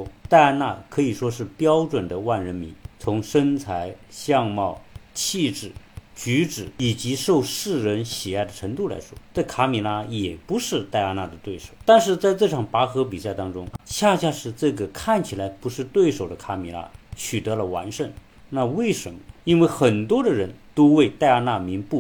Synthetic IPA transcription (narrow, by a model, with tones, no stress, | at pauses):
t̪a˥˧ɪa˥na̰˥˩kʰɤ˧˥i˨˩ʂwɔ˥ʂɻ̩˥˩pjɑ˥ʊʈ͡ʂwə˨˩nd̪ə˦wa˥˩nɻə˧˥nmḭ˧˥nt͡sʰʊ˧˥ŋʂə˥nt͡sʰa˧˥ɪɕjɑ˥˧ŋmɑ˥˩ʊt͡ɕʰi˥˧ʈ͡ʂɻ̩˨˩t͡ɕy˧˥ʈ͡ʂɻ̩˨˩i˨˩t͡ɕi˧˥ʂo˥˧ʊʂɻ̩˥˩ɻə˧˥nɕi˨˩a˥˩ɪd̪ə˩ʈ͡ʂʰə˧˥ŋt̪u˥˩la̰˧˥ɪʂwɔ˥ʈ͡ʂa˥˩kʰa˧˥mi˨˥la˥jɛ˨˩pu˧˥ʂɻ̩˥˧t̪a˥˩ɪa˥na˥˩d̪ə˩t̪we˥˩ɪʂo˨˩ʊt̪a˥˧nʂɻ̩˥˧t͡sa˥˧ɪʈ͡ʂɤ˥˩ʈ͡ʂʰɑ˨˩ŋpa˧˥xɤ˧˥p̬i˨˩sa˥˩ɪt̪ɑ˥ŋʈ͡ʂʊ˥ŋɕja˥˧ɕja˥˧ʂɻ̩˧˥ʈ͡ʂɤ˥˩ɡə˩kʰa˥˩nt͡ɕʰi˨˩la˧˥ɪpu˧˥ʂɻ̩˥˧t̪we˥˩ɪʂo˨˩ʊd̪ə˦kʰa˧˥mi˧˥la̰˥t͡ɕʰy˨˩t̪ɤ˧˥lə˧wa̰˧˥nʂə˥˩ŋ | na˥˧we˥˩ɪʂə˧˥nmə˧i˥nwe˥˩ɪxə˨˩nt̪wɔ˥d̪ə˨ɻə˧˥nt̪o˥ʊwe˥˧ɪt̪a˥˧ɪa˥na˥˩mi˧˥npu˥˩